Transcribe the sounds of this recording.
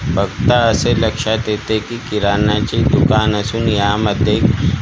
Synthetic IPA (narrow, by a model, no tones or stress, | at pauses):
bɐɡt̪aɐselɐkʃat̪eːt̪ekikiɾaːnat͡ʃid̪ʊkaːnɐsunjaːmɐd̪eːk